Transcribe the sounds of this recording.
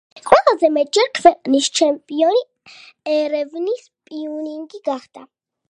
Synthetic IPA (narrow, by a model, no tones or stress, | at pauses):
χʼwɛlˠazɛmɛt̪̚ʼd͡ʒɛɾkʰvɛqʼnist͡ʃʰɛmpʼiɔni | ɛɾɛvnis | pʼiuniŋɡiɡaχd̪a